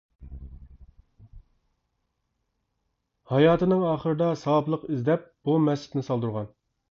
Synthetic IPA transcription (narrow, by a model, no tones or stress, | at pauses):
hɑjɑːt̪ʰɨnɨŋɑːχəɾɨd̪ɑsɑwɑplˠəqizlɛp̚b̥umɛst͡ʃɪ̥t̪nɪsɑlˠd̪uɾʁɑn